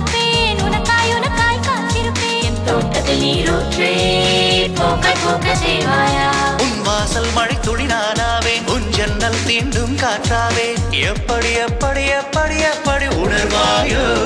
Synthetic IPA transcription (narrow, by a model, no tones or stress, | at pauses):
enʊnɐtaːjʊnɐtaːjkɐnt̪ɪɾɯpːeːɛnt̪oːɐðɐniːɾoːte | poːkɐpoːkɐseːʋaːjaːʊnʋaːsɐlmɐɻɐɪt̪ːʊɽɪnaːnaːʋeːnʊɲd͡ʒɐnːɐlt̪iːnɖɯmkaːʈraːʋeːɛpːɐɽɪjɐpːɐɽɪjɐpːɐɽɪjɐpːɐɽiʊnɐɾʋaːjɯ